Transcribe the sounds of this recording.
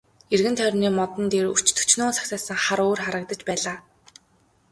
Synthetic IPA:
erɣɘ̆nt̪ʰœrʲniːmɔt̪ɞ̆nt̪eːɾu̥t͡ɕt̪ʰɵ̥t͡ɕnʊːsḁksaːsə̆ŋχaɾoːrχaɾə̆k̚t̪ə̆t͡ɕpæːɮaː

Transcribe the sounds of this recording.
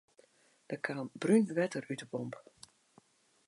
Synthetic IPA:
d̥əkʰaːmbrynʋɛtərytəbɔmp

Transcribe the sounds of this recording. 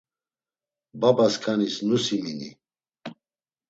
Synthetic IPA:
babaskʰanisnusiminḭ

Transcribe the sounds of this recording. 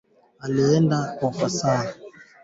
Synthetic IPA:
aliɛndakɔfasaa

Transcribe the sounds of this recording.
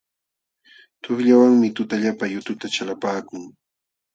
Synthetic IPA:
t̪oχʎawaŋmɪt̪ʊt̪aʎapajʊt̪ʊt̪at͡ʃalapaːkʊŋ

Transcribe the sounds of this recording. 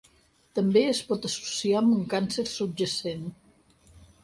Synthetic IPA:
t̪əmbeəspɔt̪əsu̥siamuŋkansəɾsud͡ʒəsen

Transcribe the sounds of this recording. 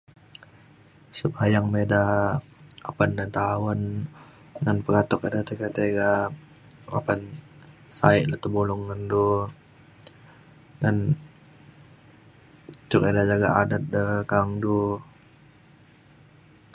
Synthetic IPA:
səbajaŋmeda | apandant̪awan | ŋanpəɾat̪ɔkedat̪ekat̪eɡa | a̰pan | saɪʔlat̪əbulʊŋːandu | ŋan | t͡ʃukedad͡ʒaɡaadat̪̚dəkaŋdu

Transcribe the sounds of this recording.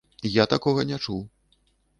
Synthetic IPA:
jat̪akɔɣɐnʲɛt͡ʂuw

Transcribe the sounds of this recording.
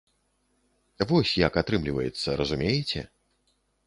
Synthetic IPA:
vɔsʲjakat̪ɾɨmlʲivɐjɛt̪sːɐɾɐzumʲejɛt͡sʲɛ̰

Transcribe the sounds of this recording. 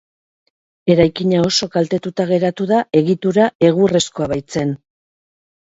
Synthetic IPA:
e̞ɾajkiɲao̞so̞kalt̪e̞t̪ut̪aɣe̞ɾat̪uðae̞ɣit̪uɾae̞ɣ̞ure̞sko̞aβajt͡se̞n

